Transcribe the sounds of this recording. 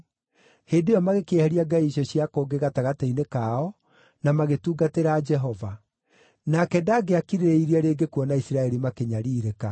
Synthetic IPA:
heːdejɔmaɣekehɛɾiaɡaiɕɔɕiakoːɡeɣataɣateinekaːɔ | namaɣetuːɡateɾaːd͡ʒɛɦɔva | nakɛdaːɡeakiɾeɾeiɾiaɾeːɡekuwɔnaisiɾaɛɾimakeɲaɾiːɾeka

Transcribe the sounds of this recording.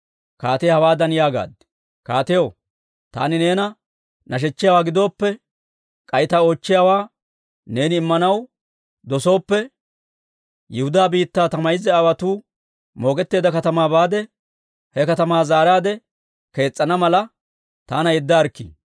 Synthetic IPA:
kaːt̪ɛjhɐwaːd̪ɐnɪjaːɡa̰ːd̪ | kaːt̪ɛjo | t̪a̰ːnɪne̞ːnɐ | nʔɐʃ̬ɛt͡ʃːɪjaːwaːɡɪd̪o̞ːpːɛ | kʼɐjt̪aːot͡ʃːɪjaːwaː | ne̞ːnɪɪmːɐnɐw | d̪ɔso̞ːpːɛ | jɪhʊd̪aːbiːt̪ːaːt̪ɐmɐjɪzɛɐwɐt̪uː | mo̞ːkʼɛt̪ːe̞ːd̪ɐkɐt̪ɐmaːbaːd̪ɛ | hɛkɐt̪ɐmaːzaːɾaːd̪ɛ | ke̞ːt͡sʼːɐnɐmɐlɐ | t̪aːnɐjɛd̪ːɐːɾkːḭː

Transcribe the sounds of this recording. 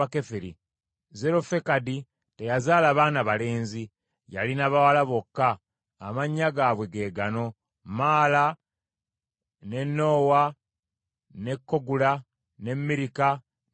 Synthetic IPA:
ake̞feɾḭ | ze̞ɾo̞fe̞kadi | tejazaːlaːβaːnaβale̞ːnzi | ja̰linaβawalaβo̞kːaː | maɲːaɡaːβwe̞ɡe̞ːɡano̞ | maːla | ne̞nːo̞ːwa | ne̞kːo̞ɡula | ne̞mːiɾika

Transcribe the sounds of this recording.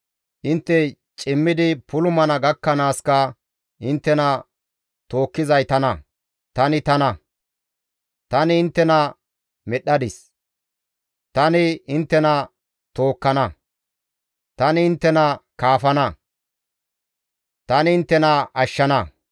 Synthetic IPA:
ʔɪnt̪ːɛ | t͡ʃʼɪmːɪd̪ɪpʊlʊmɐnɐɡɐkːɐnaːskɐ | ɪnt̪ːɛnɐ | t̪o̞ːkːɪzɐjt̪ɐnɐ | t̪ɐnɪt̪ɐnɐ | t̪ɐnɪɪnt̪ːɛnɐ | mɛɗːɐd̪ɪs | t̪ɐnɪɪnt̪ːɛnɐ | t̪o̞ːkːɐnɐ | t̪ɐnɪɪnt̪ːɛnɐkaːfɐnɐ | t̪ɐnɪɪnt̪ːɛnɐɐʃːɐnɐ

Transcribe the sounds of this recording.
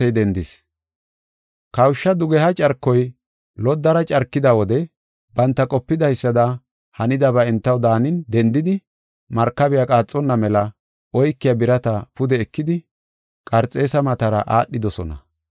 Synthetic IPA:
ɛjd̪ɛnd̪ɪs | kɐwʃːɐd̪ʊɡɛhɐt͡ʃʼɐɾkːɔj | lɔd̪ːɐɾɐt͡ʃʼɐɾkːɪd̪ɐwɔd̪ɛ | bɐnt̪ːɐkʼɔpːɪd̪ɐjsːɐd̪ɐ | hɐnɪd̪ɐβɐɛnt̪ːɐwd̪aːnɪnd̪ɛnd̪ɪd̪ɪ | mɐɾkːɐbɪjakʼaːt͡sʼːɔnːɐmɛlɐ | ɔjkːɪjɐbɪɾɐt̪ɐpʊd̪ɛːkːɪd̪ɪ | kʼɐɾt͡sʼːe̞ːsɐmɐt̪ɐɾɐʔaːɗːɪd̪ɔsɔnɐ̰

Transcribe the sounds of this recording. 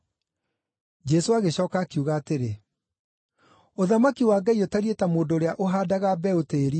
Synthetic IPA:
d͡ʒɛsoaɣeɕɔːkaːkiuɣaːteɾe | oðamakiwaːɡaiotaɾietamoːndoːɾeaʔoɦaːdaɣabɛoteːɾi

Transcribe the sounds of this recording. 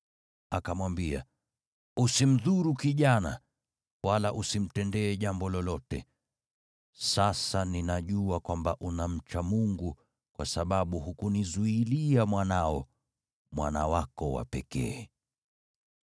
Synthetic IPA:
akamwambia̰ | usim̩ðuɾukiʄana | wʔalaʔusim̩tɛndɛːʄambɔlɔlɔtɛ | sasaninaʄuakwambaʔunam̩t͡ʃamuŋɡu | kwʔasaɓaɓuhukunizuiliamwanaɔ | mwa̰na̰wakɔwa̰pɛkɛ̰ː

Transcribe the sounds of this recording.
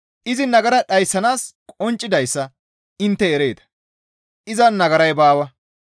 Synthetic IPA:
ʔɪzɪnɐɡɐɾɐɗɐjsːɐnaːskʼɔnt͡ʃʼːɪd̪ɐjsːɐ | ɪnt̪ːɛːɾeːt̪ɐ̥ | ʔɪzɐnnːɐɡɐɾɐjbaːwɐ

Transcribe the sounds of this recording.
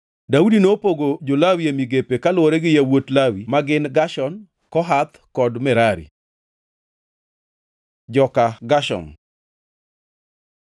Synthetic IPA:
daudinopoɡod͡ʒolawiemiɡepekalwoɾɛɡɪjawotlawimaɡɪnɡaʃɔn | kɔɦat̪kɔdmɛɾaɾḭ | d͡ʒɔkaɡaʃɔ̰m

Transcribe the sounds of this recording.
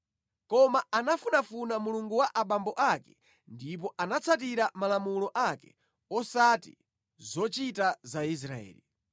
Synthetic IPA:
kɔmaanafunafunamuluŋɡuwaʔaɓambɔʔakɛ | ndip̬ɔʔanat͡sʰat̬iɾamalamulɔʔakɛ̥̰ | ɔsatḭ | zɔt͡ʃitazais̬ɾaɛ̰ːli

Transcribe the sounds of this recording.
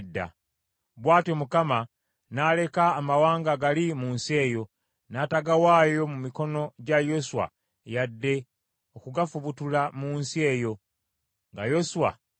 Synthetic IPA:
dːa̰ | βwaːtemukama | nale̞kaːmawaːŋɡaɡalimuːnsie̞ːjo̞ | naːtaɡawaːjo̞mumiko̞no̞ɟajo̞suwa̰ | jadːe̞ | o̞kuɡafuβutulamuːnsie̞ːjo̞ | ŋɡajo̞suwa̰

